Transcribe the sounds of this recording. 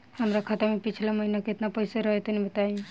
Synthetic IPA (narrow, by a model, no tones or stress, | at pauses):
həmɾakʰat̪əmepit͡ʃʰlaməɦinakeɪt̪napəjseɾəɦɛt̪ənibət̪ai